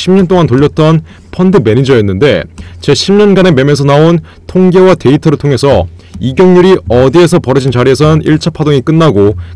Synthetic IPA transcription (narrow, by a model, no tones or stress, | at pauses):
ɕʰimɲʌnt̬͈oŋantoʎːʌt̚t͈ʌn | pʰʌndɯme̞nid͡ʑʌjʌnːɯnde̞̰t͡ɕe̞ɕʰimɲʌnɡane̞me̞mes̬ʰʌnaon | tʰoŋɡewate̞itʰʌɾɯɭtʰoŋe̞sʰʌ | iɡjʌŋɲuɾiʌdie̞sʰʌpʌɾɯd͡ʑint͡ɕaɾie̞s̬ʰʌnɯniɭt͡ɕʰapʰadoŋik͈ɯnːaɡo